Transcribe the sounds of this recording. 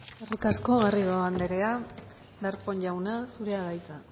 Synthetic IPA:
erikasko̞ɣariɣoand̪eɾe̞a | d̪aɾpoɲʝawnasuɾe̞aðajt͡sa

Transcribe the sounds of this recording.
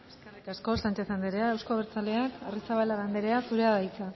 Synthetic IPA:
eskerikasko̞slant͡ʃesand̪eɾe̞aewsko̞βeɾt͡sale̞akarisaβalaɣand̪eɾe̞asuɾe̞aðajt͡sa

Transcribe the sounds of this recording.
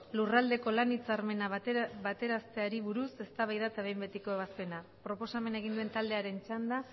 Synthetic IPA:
lurald̪e̞ko̞lanit͡saɾme̞naβat̪e̞ɾast̪e̞aɾiβuɾuse̞st̪aβajðat̪aβe̞jmbe̞t̪iko̞eβaspe̞napɾo̞po̞same̞nae̞ɣind̪ue̞nt̪ald̪e̞aɾe̞nt͡ʃand̪a

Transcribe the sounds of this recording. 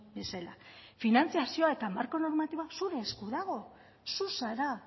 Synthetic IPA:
be̞selafinant͡siasio̞ae̞t̪amaɾko̞no̞ɾmat̪iβoasuɾe̞ːskuðaɣo̞ | susaɾa

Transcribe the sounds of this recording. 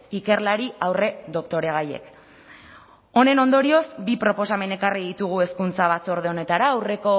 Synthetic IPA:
ike̞rlaɾiawre̞ðo̞kt̪o̞ɾe̞ɣ̞aje̞̰k | o̞ne̞no̞nd̪o̞ɾio̞zbipɾo̞po̞same̞ne̞kariðit̪uɣ̞ue̞skunt͡saβ̞at͡so̞ɾð̞eo̞ne̞t̪aɾaːwre̞ko̞

